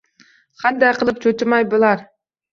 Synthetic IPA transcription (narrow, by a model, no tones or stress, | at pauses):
qʰɑnd̪ɑjqʰɨlˠɪp̚t͡ʃʰɵt̪ɪmɑjbɨlˠɑɾ